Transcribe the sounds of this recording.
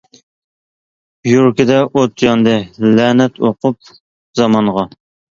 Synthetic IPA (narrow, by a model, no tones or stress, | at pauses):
juɾkʲɪd̪ɛʔot̪ʰjɑnd̪ɨlænɛt̪ʰoqʰʊp̚ | zɑmɑɴʁɑ